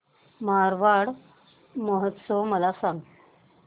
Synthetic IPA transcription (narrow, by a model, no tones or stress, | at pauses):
maɾʋaɽ | məɦət̪sɔməlasãŋɡ